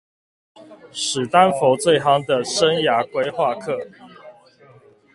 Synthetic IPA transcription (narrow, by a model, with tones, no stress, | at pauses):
ʂɻ̩˨˩t̪a˦nfo˨˦ʊt͡swe˥˨ɪxɑ˥ŋd̪ə˨ʂə˦˥nja˨˥˦kwe˥ɪxwa˥˨kʰɤ˥˨